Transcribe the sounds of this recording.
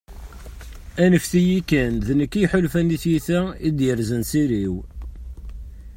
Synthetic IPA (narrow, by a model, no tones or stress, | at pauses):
ænəfθijikːænðnəkːijħʊlfæniθjiθæid̪jəɾzənsiɾiw